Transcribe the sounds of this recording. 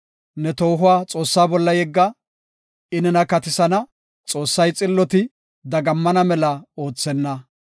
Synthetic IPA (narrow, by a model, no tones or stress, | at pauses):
nɛt̪o̞ːɦʊwaːt͡sʼo̞ːsːaːbɔlːɐjɛɡːɐ | ɪnɪnɐkɐt̪ɪsɐnɐ | t͡sʼo̞ːsːɐjt͡sʼɪlːɔt̪ɪ | d̪ɐɡɐmːɐnɐmɛlɐo̞ːt͡sːɛnːɐ